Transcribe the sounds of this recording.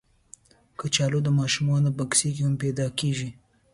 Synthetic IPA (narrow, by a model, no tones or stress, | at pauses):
kət͡ʃɑlod̪əmɑʃumɑnopəksikehampɛd̪ɑkeʒi